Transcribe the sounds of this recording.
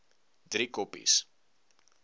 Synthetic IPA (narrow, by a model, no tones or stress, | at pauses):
dɾikɔpḭs